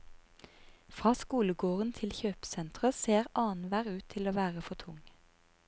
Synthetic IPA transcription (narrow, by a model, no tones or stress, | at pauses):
fʁɑːskuːləɡoːʁənt̪ʰɪlçøːpsɛnt̪ʁəseːʁʔɑːnʋæːʁʉːt̪ʰɪloːʋæːʁəfɔt̪ʰʊŋ